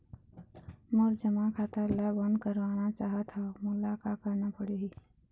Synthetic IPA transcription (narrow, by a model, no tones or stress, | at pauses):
mʊɾd͡ʒəmãkʰaːt̪alabə̃nd̪kəɾʋaːnat͡ʃaːɦət̪amʊlakakəɾnapəɽeɦiː